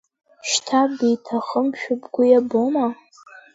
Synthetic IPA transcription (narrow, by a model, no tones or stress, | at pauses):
ʃtʰabijtʰaχəmʃᶣʊbɡʷʊjaboma